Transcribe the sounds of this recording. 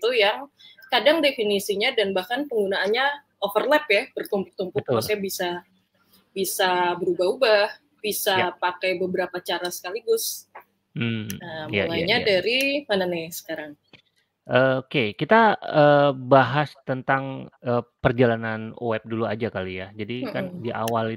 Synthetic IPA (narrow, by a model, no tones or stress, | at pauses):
it̪ujaŋkadaŋdefinisiɲadanbahkanpəŋɡunaːnɲa | ofərlɛpjabərt̪umpʊk̚t̪umpʊk̚usabisa | bisabəɾubaɦubah | b̥isapakajbəbəɾapat͡ʃaɾasə̥kaliɡʊs | m̩əmjalaiɲadaɾimananɛsə̥kaɾaŋ | ʔəokekit̪aəːbaɦast̪ənt̪aŋəːpərd͡ʒalananoɛp̚duluad͡ʒakalijad͡ʒadikandiʔa̰wali